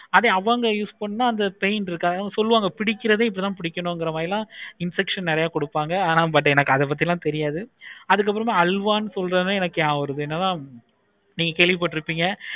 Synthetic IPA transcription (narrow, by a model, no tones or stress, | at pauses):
ɐðeɐʋãːŋɡɐjuːspɐɳːɯnːaːɐnd̪ɐpɛjnɪɾɯkːaːɡɐsɔlːɯʋaːŋɡɐpɪɽɪkʲːɪɾɐðeːɪp̬ːt̪ãːpɪɽɪkʲːɐnõːɛŋɡɪɾɐmaːðɪlãːɪnsɛkʂɐnnɪɾɐjaːkɔɽɯpːaːŋɡɐaːnaːbɐʈ̬ːɯɛnɐkːɯɐðɛp̬ɐt̪̬ːiɪɛlãːt̪ɛɾɪjaːðɯɐðɯk̬ːɐpːɯɾɐmeːɐlʋaːnːɯsɔlɾaːnɯɛnɐkːɯjaːɔɾɐðɯɛnːɐnaː | niːŋɡɐkeːɭʋɪpaːʈːɪɾɯpːiːŋɡɐ